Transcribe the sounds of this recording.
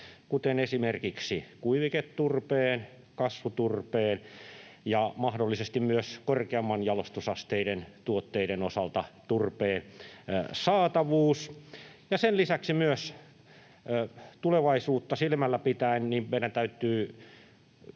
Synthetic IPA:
kut̪enesimerkiksikuiʋiket̪t̪urpeːn | kɑsʋut̪urpeːnjɑmɑhdolːisest̪immyøskorkeɑmːɑnjɑlost̪usɑst̪eiɾent̪uot̪ːeiɾenosɑlt̪ɑt̪urpeːn | sɑːt̪ɑʋuːsjɑsenlisæksimyøs | t̪uleʋɑisuːt̪ːɑsilmælːæpit̪æinnimmeiɾænt̪æyt̪ːˑyː

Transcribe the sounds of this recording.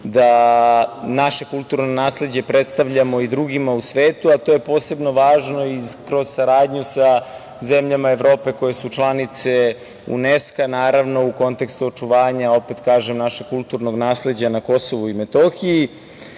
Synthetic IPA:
d̪a | naʃe̞kulˠt̪uɾnonaːsle̞d͡ʑe̞pɾet̪st̪aʋʎamo̞id̪ɾuɡimausʋeːt̪uat̪oje̞po̞ːse̞bno̞ʋaːʒno̞ikɾo̞z̥saɾaːd̪ɲusa | zemʎamaeʋɾo̞ːpe̞ko̞je̞sut͡ʃlˠanit̪se̞ | ṵneskanaːɾaʋno̞uko̞nt̪e̞kst̪uot͡ʂuʋaːɲao̞pet̪kaːʒemnaʃekkulˠt̪uɾno̞ɡnaːsle̞d͡ʑanako̞so̞ʋuimet̪o̞xii

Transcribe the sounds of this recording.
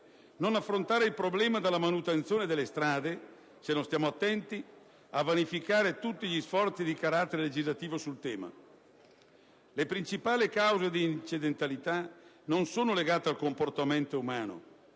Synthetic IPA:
nonafːɾont̪aːɾeilpɾoblɛːmad̪elːamanut̪ent̪sjoːned̪elːest̪ɾaːd̪e | senõnst̪jaːmoat̪ːɛnt̪i | avanifikaːɾet̪ut̪ːiʎisfɔrt̪sid̪ikaɾat̪ːeɾeled͡ʒizlat̪iːvosult̪ɛːma̰ | lepɾint͡ʃipaːlikawzed̪iːnt͡ʃid̪ent̪alit̪a | nonsoːnoleɡaːt̪ealkomport̪ament̪oumaːno̰

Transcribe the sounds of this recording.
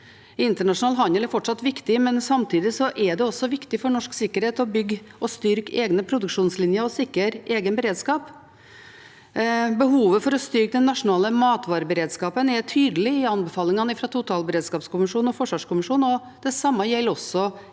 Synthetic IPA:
ɪnt̪əɳɑʂʊnɑːlɦɑnəlɛɾfɔʈʂɑt̪ːʋɪkt̪ɪmɛnsɑmt̪ʰiːd̪ɪsɔʔɛɖ̪ɛɔsɔʋɪkt̪ɪfɔɳɔʂksɪkːəɾheːt̪ɔbʏɡ | ɔst̪ʏɾkeːɡnəpʰɾʊd̪ʉkʂuːnslɪnjəɾɔsɪkːəɾʔeːɡənbəɾeːd̪skɑːp | bəɦuːʋəfɔɾɔst̪ʏɾk̚d̪ɛnːɑʂʊnɑːləmɑːt̪ʋɑːɾəbəɾeːd̪skɑːpənɛt̪ʰyːd̪əlɪɪɑnbɛfɑːlɪŋɑnəɪfɾɑt̪ʰʊt̪ʰɑːlbəɾeːd̪skɑːpskʊmɪʂuːnɔfɔʂʋɑːʂkʊmɪʂuːnɔ | d̪̥ɛsɑmːɑjɛlːɔsɔ

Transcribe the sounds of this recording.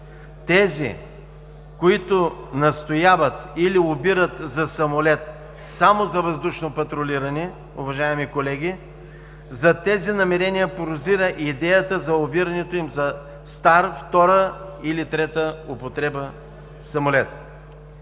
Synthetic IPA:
t̪ɛzḭ | koit̪ʊnɐst̪ojavɐt̪iliʊbiɾət̪zɐsɐmolɛt̪̚ | samozɐvɐzd̪uʃnopɐt̪ɾoliɾɐni | ʊvɐʒaɛmikolɛɡʲi | zɐt̪ɛzinɐmɛɾɛnʲijəpoɾʊziɾəʔid̪ɛjət̪əzɐʊbiɾɐnɛt̪oimzɐ | st̪aɾft̪ɔɾəilit̪ɾɛt̪əʊpot̪ɾɛbə | sɐmolɛt̪̚

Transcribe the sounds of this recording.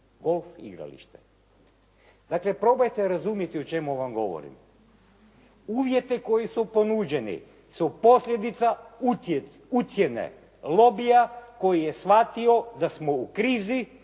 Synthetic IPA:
ɡo̞lˠfḭɡɾa̰lḭʃt̪e | d̪̥akle̞pɾo̞bojt̪eɾazumjet̪iot͡ʃe̞muʋamɡo̞̰ʋo̰ɾḭm | uːʋje̞t̪iko̞jisupo̞nud͡ʒenḭ | supo̞slʲjed̪it̪saut | ut̪jenḛ | lˠo̞bijako̞jijesʋat̪io̞d̪asmo̞ukɾiːzi

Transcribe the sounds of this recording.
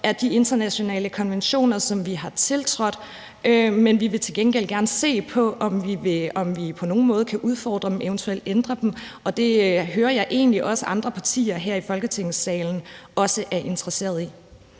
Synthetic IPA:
ʔæɐd̥ie̝nd̥ɐnæɕo̝nɛ̰ːləkʰɒ̽nʋenɕo̝̰ːnɐsɒ̽mʋiɦɑ̈t͡sʰe̝lt͡sʰʁɔ̽d̥ | ømenʋiʋe̝t͡sʰe̝lɡ̥enɡ̥el̰ɡ̥æɐnəse̝̰ːpʰɒ̽ʔɒ̽mʋieɒmʋipʰɒ̽no̝ːn̩mɔ̽ːð̞ˠəkʰæʔuð̞ˠfɒ̰ːd̥ʁɐ̥m̩eʊnt͡sʰuel̰d̥end̥ʁɐd̥em | ɒ̽d̥e̝ɦøːɐjɑ̈ɪʔe̝̰ːnliʔɒ̽səʔɑ̈nd̥ʁɐpʰɑ̈t͡sʰḭːɐɦæɐ̰ifɒ̽lɡ̥ət͡sʰeŋ̰̩sɛːln̩ɒ̽səʔæɐʔe̝nt͡sʰʁɐse̝̰ːɐð̞ˠi

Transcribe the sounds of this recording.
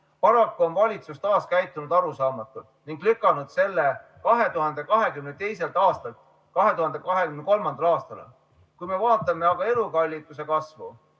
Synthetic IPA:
pɑɾɑkːuo̞nvɑlʲit̪sust̪ɑːskæjt̪ːˑunud̪ɑɾusɑːmɑt̪ːˑult̪niŋɡ̥lykːˑɑnud̪̥se̞lːe̞ | kɑɦe̞t̪uhɑnd̪̥e̞kɑɦe̞kymnet̪e̞jse̞lt̪ɑːst̪ɑlt̪ | kɑɦe̞t̪uhɑnd̪̥e̞kɑɦe̞kymneko̞lmɑnd̪ɑlɑːst̪ɑl | kujme̞vɑːt̪ːˑɑme̞ɑɡ̥ɑe̞lukɑlʲːit̪ːuse̞kɑsvṵ

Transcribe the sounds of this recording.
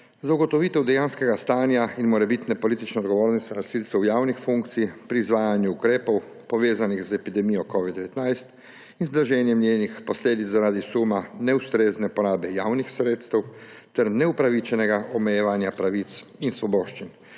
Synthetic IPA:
zauɡɔt̪ɔʋit̪ɛwd̪ɛjanskɛɡast̪aːnjainmɔɾɛbit̪nɛpɔlit̪it͡ʃnɔɔd̪ɡɔʋoːɾnist̪ʋɛnasiːlt̪sɛwjaːwnixfuŋk̚t̪siipɾiːzʋaːjanjuːkɾeːpɔw | pɔʋeːzanixzɛpid̪ɛmijɔkɔʋid̪d̪ɛʋɛt̪najst̪ | inzd̪ɾaʒɛːnjɛmnʲjeːnixpɔsleːd̪it̪zaɾaːd̪isumanɛust̪ɾeːznɛpɔɾaːbɛjaːwnixsɾeːt̪st̪ɛwt̪ɛɾnɛupɾaʋit͡ʃɛnɛɡaʔɔmɛjɛʋanjapɾaʋit̪sinsʋɔbɔːʃt͡ʃin

